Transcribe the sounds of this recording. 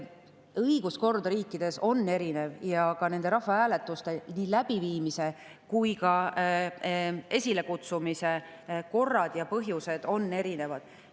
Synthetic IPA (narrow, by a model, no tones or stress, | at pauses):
ɤiɡ̥usko̞rd̪ɾiːkːˑid̪̥e̞so̞nːe̞ɾine̞vjɑkɑne̞nd̪e̞ɾɑhːɑæːle̞t̪ˑːust̪e̞niːlæb̥iviːmise̞ | kujkɑ | e̞sʲile̞kut̪sumise̞ | ko̞rːɑd̪̥jɑpɤɦjuse̞d̪̥o̞nːe̞ɾine̞vɑd̪̥